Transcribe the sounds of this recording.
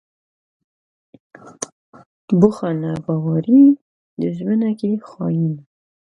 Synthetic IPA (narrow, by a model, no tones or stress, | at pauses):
bʊxanabɑwaɾi | d̪əʒmənakexɑ̰jina